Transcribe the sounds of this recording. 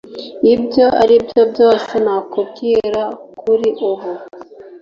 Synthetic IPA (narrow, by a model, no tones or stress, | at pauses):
ibjo̞ʔa̰ɾibjo̞bjo̞ːsenakub̚ɡiːɾakʰuɾiʔuɦo